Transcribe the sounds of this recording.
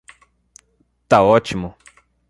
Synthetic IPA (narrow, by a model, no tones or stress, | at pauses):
t̪aot͡ʃimo